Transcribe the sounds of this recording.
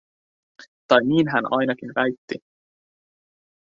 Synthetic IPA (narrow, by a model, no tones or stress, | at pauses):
t̪ɑjniːnɦænʔɑ̰jnɑkinʋæjt̪ːi